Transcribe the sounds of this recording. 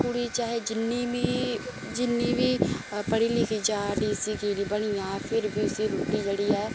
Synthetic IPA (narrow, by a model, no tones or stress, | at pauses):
kuɽiːt͡ʃaːɦeːd͡ʒɪnːii | d͡ʒɪnːiːbiːpəɽiːlikʰiːd͡ʒaːɖiːsiːkiːlibəɽ̃ijãːpʰɪɾbʱiːʊsiːɾuːʈiːd͡ʒəɽiːɛː